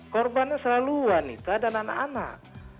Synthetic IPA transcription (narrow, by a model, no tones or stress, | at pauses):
kɔrbanɲasəlaluanḭt̪uadanana̰ʔana̰ʔ